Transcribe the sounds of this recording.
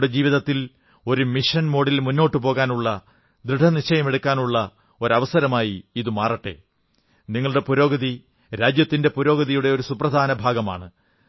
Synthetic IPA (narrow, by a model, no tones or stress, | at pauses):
ɽed͡ʑiːʋiðɐt̪ːil | o̞ɾumiʂɐnmo̞ːɽilmunːo̞ːʈːɨpo̞ːɣaːnuɭːɐ | d̪ɾɨɖʰʱɐnit͡ɕːɐjɐme̞ɽukːaːnuɭːɐ | o̞ɾɐʋɐsɐɾɐmaːjiiðɨmaːrɐʈːe̞̰ | niŋːɐɭɽe̞puɾo̞ːɡɐði | ɾaːd͡ʑjɐt̪ːinde̞puɾo̞ːɡɐðijuɽe̞o̞ɾusuprɐd̪ʱaːnɐbʱaːɡɐma̰ːɳɨ